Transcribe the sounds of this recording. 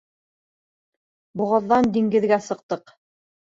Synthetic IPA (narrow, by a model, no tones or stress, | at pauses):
bŭʁɤ̆ðːɑnd̪iŋɡɘ̆ðɡæsɤ̆q̚t̪ɤq